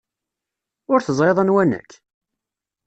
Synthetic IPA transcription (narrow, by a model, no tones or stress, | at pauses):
ʊɾθəzˤɾeðˤənwænə̰kː